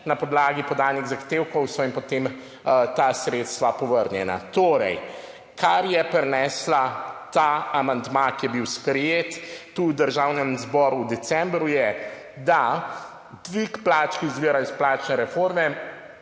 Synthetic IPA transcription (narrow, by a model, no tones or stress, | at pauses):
napɔd̪laːɡipɔd̪aːlniɣzaxt̪eːwkɔwsɔinpɔt̪em | t̪asɾeːt̪st̪ʋapɔʋəɾnjɛna̰t̪oːɾɛ̰j | kʰaɾjɛpɾɛnɛːslat̪aamand̪makijɛbiwspɾɛjet̪ːud̪əɾʒawnɛmzbɔɾuwd̪ɛsɛmbɾujɛ | d̪a | d̪ʋikplaːt͡ʃkizʋiːɾajisplaːt͡ʃnɛɾɛfoɾmɛ